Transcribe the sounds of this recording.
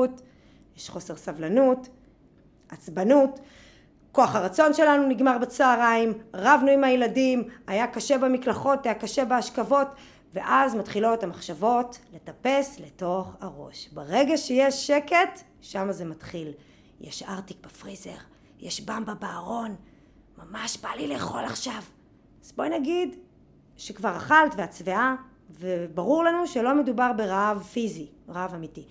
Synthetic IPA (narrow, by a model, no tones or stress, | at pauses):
ut | jeʃχo̞se̞ʁsavlanut | at͡sbanut | ko̞aχhaʁat͡so̞nʃe̞lanuniɡmaʁbet͡saːʁaimʁavnuimhajeladimajakaʃe̞bemiklaχo̞tajakaʃe̞beaʃkavo̞t | ve̞ʔazmatχiloetamaχʃavo̞tle̞tape̞sle̞to̞χaʁo̰ʃbaʁe̞ɡaʃejeʃːeket | ʃamazematχil | jḛʃaʁtik̚befʁize̞̰ʁ | jeʃbambabaːʁo̞n | mamaʃbalileːχo̞la̰χʃav | zbojnaɡid | ʃekvaʁaχaltveat͡svea | vebaʁuʁlanuʃelo̞me̞dubaʁbe̞ʁaavfizi | ʁavamiti